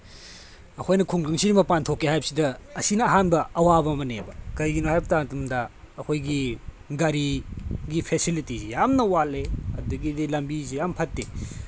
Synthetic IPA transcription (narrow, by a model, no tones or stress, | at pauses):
ɐkʰojnɐkʰuŋɡɐŋsiɾimɐpantʰokːehajbɐsidɐːsinɐːɦanbɐɐwabɐmɐnḛbɐkɐjɡinohajbɐtatumdɐː | kʰojɡi | ɡaɾiɡipʰesilitizijamnɐwaleɐ̰duɡidilɐmbizijampʰɐtːe